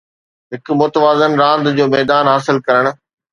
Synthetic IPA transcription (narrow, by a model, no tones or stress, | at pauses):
ɦɪk̆mʊt̪əʋaːzənɾãːnd̪d͡ʑoːmɛːd̪aːnɦaːsɪlkɐɾəɽ̃ʊ̆